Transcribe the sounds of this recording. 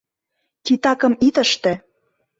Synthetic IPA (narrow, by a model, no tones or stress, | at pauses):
t̪ʲit̪ɑkɤ̆mit̪ə̆ʃt̪ĕ